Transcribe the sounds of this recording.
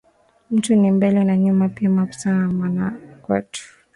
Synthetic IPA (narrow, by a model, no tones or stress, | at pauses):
m̩tunimbɛlɛnaɲumapiamaku̥sanamanakwɛ̰tu̥